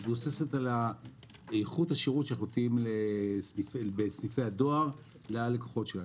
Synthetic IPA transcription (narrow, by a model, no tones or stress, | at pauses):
bosesetala | ejχuthaʃeʁutʃanaχunt̪iimlesnifebesnife̞jado̞aʁ | lealekoχo̞tʃela